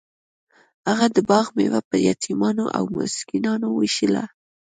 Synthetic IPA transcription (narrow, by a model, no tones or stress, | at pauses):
haɣad̪əbɑɣmewapəɾjat̪ʰimɑnoʔa̰wmʊ̰skinɑnowiʃəla̰